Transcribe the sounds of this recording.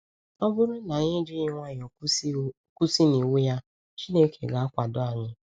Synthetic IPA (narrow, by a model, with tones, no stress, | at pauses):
ɔ˦bʊ˦ɾʊ˦na˨ɲɪ˦d͡ʒi˦ɲɪ˦ŋʷa˦ɲ˨o˨˦˨ | ku˦si˦ni˨we˦ja˦ | t͡ʃi˦ne˦kʰḛ˨ɡa˨a˦kʷa˨dʊ˦a˨ɲɪ˦